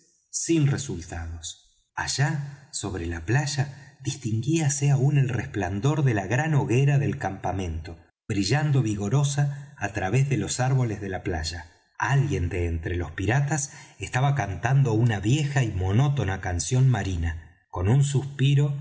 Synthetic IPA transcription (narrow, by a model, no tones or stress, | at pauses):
sinresult̪aðo̞s | a̰ʒ̥aso̞β̞ɾelaplaʒaðist̪iŋɡiaseaune̞lrespland̪o̞ɾðe̞laɣɾano̞ɣeɾaðe̞lkampamẽ̞nt̪o̞ | βɾiʒand̪o̞βiɣo̞ɾo̞saːt̪ɾaβezðe̞lo̞saɾβo̞lezðe̞lapla̰ʒa | alɣje̞nd̪eːnt̪ɾelo̞spiɾat̪asest̪aβakant̪and̪o̞unaβje̞xaimo̞no̞t̪o̞nakansjo̞nmaɾina | ko̞nunsuspiɾo̞